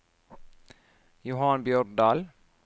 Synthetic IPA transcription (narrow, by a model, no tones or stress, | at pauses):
jʊhɑnbjœɾd̪ɑːl